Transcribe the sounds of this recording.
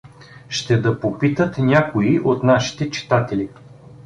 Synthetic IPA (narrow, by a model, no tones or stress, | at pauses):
ʃt̪ɛd̪ɐpopit̪ət̪nʲakoiʔot̪naʃi̥t̪ɛt͡ʃi̥t̪at̪ɛli